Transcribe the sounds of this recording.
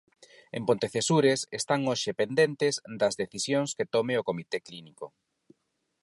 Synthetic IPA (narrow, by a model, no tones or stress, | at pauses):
empõnt̪eθesuɾesest̪aŋoʃepend̪ent̪ezd̪ɐzðeθisjoŋsket̪omeokomit̪ekliniko